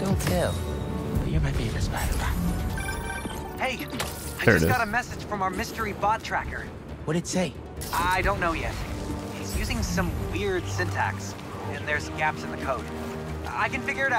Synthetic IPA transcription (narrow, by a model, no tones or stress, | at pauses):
d̥õʊ̃ntʰɛlˠbʌə˞maɪbiɨ̃nɨsbæɾə̰a | heɪaɪəd͡ʒʌsɡɑɾəmɛsɨd̥ʒ̥fɹʌ̃maʊə˞mɪstə˞ibɑd̚tʰɹ̥ækə˞ | wʌɾɨdseɪ | ʔaɪɾõʊ̃nːoʊjɛ̰t̚izjʉzɪ̃ŋsʌ̃mwɪɹd̥sɪ̃ntʰæ̰ks | ɨ̃nðə˞zɡæpsɨ̃nðɨkʰoʊd̥ | a̰ɪkɨ̃nfɪɡjə˞ɨɾa